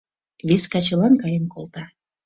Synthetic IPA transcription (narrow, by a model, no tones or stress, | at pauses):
βeskɑt͡ɕə̆lˠɑnkɑjənkʰolˠt̪ɑ